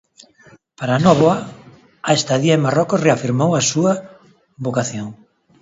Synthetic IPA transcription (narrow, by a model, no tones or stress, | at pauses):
paɾanɔβoa | aest̪aðiaemarɔkʊsreafiɾmowasuɐ | βokaθjoŋ